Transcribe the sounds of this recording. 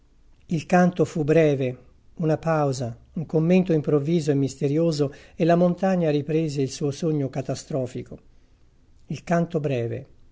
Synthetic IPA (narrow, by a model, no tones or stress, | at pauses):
ilkant̪ofubɾɛːve | unapawza | uŋkomːent̪oimpɾovːiːzoemːist̪eɾjoːzoelːamont̪aɲːaɾipɾeːzeilsuːosoɲːokat̪ast̪ɾɔːfiko | ilkant̪obɾɛːvḛ